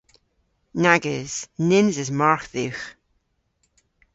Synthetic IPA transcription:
naɡɪz̥nɪnzɪzmaɹθix

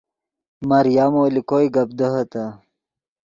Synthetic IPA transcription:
maɾjamolikojɡɐb̚d̪əɦət̪a

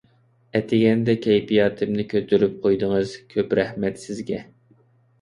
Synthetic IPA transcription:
ɛt̪ʰɪɡʲɛnd̪ɛkʲʰɛjpijɑːt̪ʰɪmnɪkʲʰøt̪ʰyɾyp̚qʰojd̪ɨŋɨz̥kʲʰøpɾɛhmɛt̪sɪzɡʲɛ

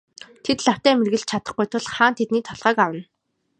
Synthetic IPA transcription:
t̪ʰet̪ɮaw̥t̪æːmerɣɘ̆ɮt͡ɕt͡ɕʰat̪ə̆χɡujt̪ʰʊɮχaːnt̪ʰet̪niːt̪ʰɔɮʁœːkawə̆n

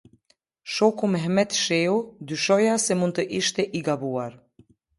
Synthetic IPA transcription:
ʃokuməɦmɛt̪ʃeud̪yʃɔjasemunt̪əʔiʃt̪eʔiɡabuaɾ

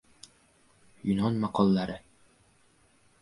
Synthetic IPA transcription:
jonɑnmɑqɑlˠːɑɾɤ

